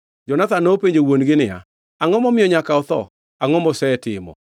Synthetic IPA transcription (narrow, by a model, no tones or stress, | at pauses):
d͡ʒɔnat̪anopeɲd͡ʒowonɡɪnɪja̰ | aŋɔmɔmɪjɔɲakaɔt̪ɔ̰ | aŋɔmɔsɛɛtɪ̰mɔ̰